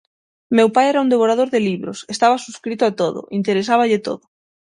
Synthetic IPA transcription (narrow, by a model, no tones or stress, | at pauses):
mewpajɛɾaũnd̪eβoɾaðoɾðeliβɾo̰sest̪aβasuskɾit̪ʊat̪oðʊ̰ʔint̪eɾesaβaʎɪt̪o̰ðʊ